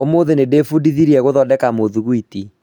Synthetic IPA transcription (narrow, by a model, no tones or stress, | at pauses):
omoðenedefudiðiɾiɛɣoðɔdɛkamoðuɣwiti